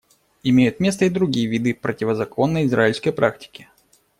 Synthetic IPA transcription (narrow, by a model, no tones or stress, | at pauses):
ɪmʲejʊt̪mʲe̞st̪əɪd̪ɾʊɡʲijəvʲid̪ɨpɾətʲɪvəzɐko̞nːəjɪzɾaɪlʲskəjpɾaktʲɪ̥kʲɪ̥